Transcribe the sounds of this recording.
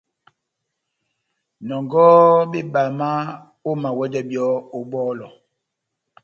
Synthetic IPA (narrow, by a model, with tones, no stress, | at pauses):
nɔ˨ŋɡɔ˦be˦ba˨ma˦ | o˦ma˨wɛ˦d͡ʒɛ˦bjɔ˦o˨bɔː˦lɔ˨